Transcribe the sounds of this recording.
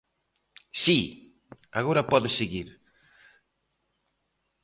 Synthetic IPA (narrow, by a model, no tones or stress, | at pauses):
si | a̰ɣoɾɐpɔðɪseɣiɾ